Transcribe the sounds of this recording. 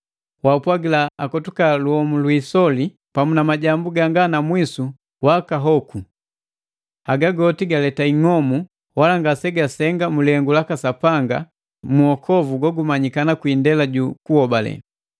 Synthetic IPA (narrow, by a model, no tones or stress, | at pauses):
waupwaɡilaakɔtukaluhɔmulwisɔli | pamunamaɟambuɡaŋɡanamwisu | wakaɦɔku | haɡaɡɔtiɡalɛtaiŋɔmu | walaŋɡasɛɡasɛŋɡamulɛŋɡulakasapaŋɡa̰ | muɔkʰɔvuɡɔɡumaɲikanakwindɛlaɟukuhɔbalɛ̰